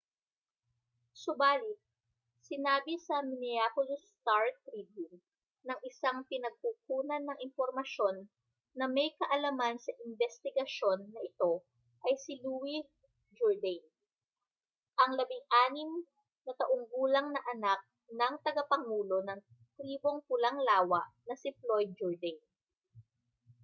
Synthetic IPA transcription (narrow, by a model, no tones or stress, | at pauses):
sʊbaːlɪt̪̚ | sɪnaːbɪsɐmɪnɪapʊlst̪aɹt̪ɾibjuŋ | nɐŋɪsaŋpɪnɐɡ̚kuːkuːnɐnːɐŋʔɪnpoɾmɐʃo̞nː | ɐmɐjkɐʔɐlamansɐʔɪnbɛst̪ɪɡɐʃo̞nːɐʔɪt̪o̞ | ʔɐjsiluwi | d͡ʒoɹd̪ɐjn | ʔɐŋlɐbɪŋʔaːnɪm | nɐt̪ɐʔoŋbuːlɐŋnɐʔɐnak̚ | nɐŋt̪ɐɡɐpɐŋuːlo̞nɐŋ | t̪ɾiːbo̞ŋpʊlɐŋlaːwɐʔnɐsɪplojd̪̚d͡ʒɔɹd̪ɛjn